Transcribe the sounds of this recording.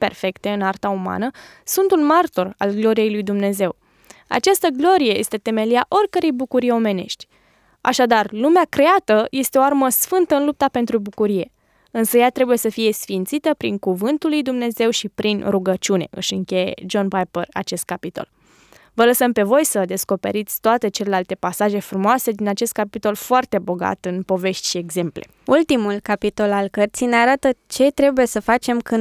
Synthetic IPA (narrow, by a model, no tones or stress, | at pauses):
pe̞̰rfe̞kt̪e̞ɨnart̪auma̰nə | sunt̪unmart̪o̞ra̰lɡlo̞ɾije̞jlujd̪umne̞ze̞w | a̰t͡ʃast̪əɡlo̞ɾije̞je̞st̪e̞t̪e̞me̞liaʔo̞rʲkəɾe̞jbukuɾijeo̞me̞ne̞̰ʃt̪ʲ | a̰ʃad̪arlumeakɾe̞at̪əje̞st̪e̞oarməsfɨnt̪əɨnlup̚t̪apent̪ɾubukuɾije̞ | ɨnsəjat̪ɾe̞buje̞səfije̞sfint̪sit̪əpɾiŋkuvɨnt̪ulːujd̪umne̞ze̞wʃipɾinruɡət͡ʃune̞̰ʔɨ̰ʃɨŋkʲe̞je̞̰d͡ʒo̞npajpəra̰t͡ʃe̞st̪̚kapit̪o̰l | vələsəmpe̞vo̞jsəd̪e̞sko̞pe̞̰ɾit̪sʲt̪oat̪e̞t͡ʃe̞le̞lalt̪e̞pasaʒe̞fɾumoase̞d̪inat͡ʃe̞st̪̚kapit̪o̞lfoart̪e̞bo̞ɡa̰t̪ɨnpo̞ve̞ʃt̪ʲʃieɡze̞mple̞̰ | ult̪imulkapit̪o̞lalkərt̪sijneaɾat̪ət͡ʃe̞t̪ɾe̞buje̞səfat͡ʃe̞mkɨn